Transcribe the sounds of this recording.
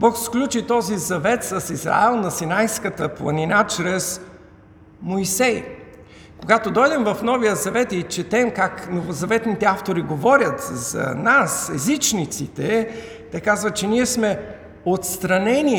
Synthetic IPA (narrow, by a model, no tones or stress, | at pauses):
bɔksklʲut͡ʃit̪ɔzizɐvɛt̪səsizɾa̰ɛlˠnɐsinajskət̪əplˠɐ̰ninat͡ʃɾɛs | moisɛj | koɡat̪od̪ɔjd̪ɛmvɐfnɔvijəzɐvɛt̪it͡ʃɛt̪ɛmkaknovozɐvɛt̪nit̪ɛaft̪oɾiɡovɔɾʲjət̪zɐ̰nasɛzit͡ʃnit̪sit̪ɛ | t̪ɛkazvət͡ʃɛniɛsmɛ | ot̪st̪ɾɐnɛnʲi